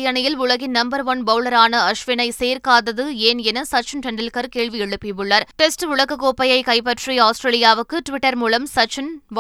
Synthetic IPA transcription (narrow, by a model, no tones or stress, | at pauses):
jɐɳɐjɪlʊɭɐɣɪnnɐmbɐɾʋɐnbɐʋlɐɾaːnɐɐʂʋɪnɐɪseːɾkaːðɐðɯeːnɛnɐsɐt͡ʃɐnʈɛɳɖɐlkɐɾkeːɭʋiɛɻɯpːɪʋɯɭːɐɾʈɛsʈʊɭɐɣɐkːoːpːɐjɐɪkɐɪpːɐʈriaːsʈɾeːlɪjaːʋɯkːɯʈʋɪʈːɐɾmuːlɐmsɐt͡ʃɐnʋ